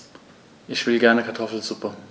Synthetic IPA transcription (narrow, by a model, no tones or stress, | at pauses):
ʔɪçv̥ɪlɡɛɐnəkʰaɐtʰɔfl̩zʊpə